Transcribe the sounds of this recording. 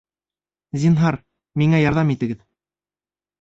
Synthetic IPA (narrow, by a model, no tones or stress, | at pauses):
zʲinɦɑɾ | miŋæjɑɾðɑmit̪ɘ̆ɡɘð